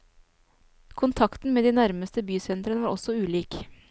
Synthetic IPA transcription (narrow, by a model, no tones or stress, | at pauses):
kʰʊnt̪ʰɑkt̪n̩meːd̪iːnæɾməst̪əbyːsɛnt̪ɾənəʋɑːɾʔɔsɔʉːliːk